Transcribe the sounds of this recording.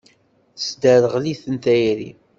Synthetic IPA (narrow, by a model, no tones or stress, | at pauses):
sd̪æɾəʁliθənt̪æjɾḭ